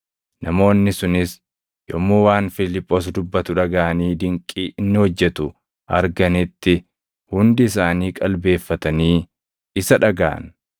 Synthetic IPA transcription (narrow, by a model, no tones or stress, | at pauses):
nɐmo̞ːnːɪsʊnɪs | jɔmːuːwaːnfɪlɪpʼːoːs̬d̪ʊbːɐt̪ʊᶑɐɡaːʔɐniːd̪ɪŋkʼːiːʔɪnːɪhɔd͡ʒːɛt̪ʊ | ʔɐɾɡɐnɪt̪ːɪ | hʊnd̪ɪɪs̬aːniːkʼɐlbe̞ːfːɐt̪ɐniː | ɪsɐᶑɐɡa̰ːn